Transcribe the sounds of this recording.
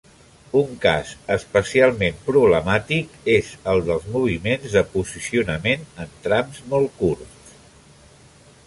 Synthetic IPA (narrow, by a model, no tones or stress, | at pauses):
uŋka̰zəspəsialˠmempɾuβləmat̪ikezəlˠd̪əlˠzmuβ̞imenzðəpuzisiunəmenənt̪ɾamzmɔlˠkuɾs